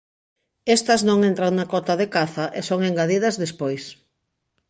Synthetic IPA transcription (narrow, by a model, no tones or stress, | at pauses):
ɛst̪ɐznõŋẽnt̪ɾaŋnɐkɔt̪ɐðekaθɐʔesoŋeŋɡaðiðɐzðespojs